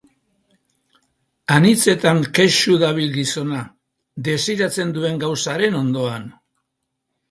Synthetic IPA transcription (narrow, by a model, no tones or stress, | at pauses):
anit͡se̞t̪aŋkeʃuðaβ̞ilɡiso̞na | d̪e̞siɾat͡se̞nd̪ue̞ŋɡawsaɾe̞no̞nd̪o̞an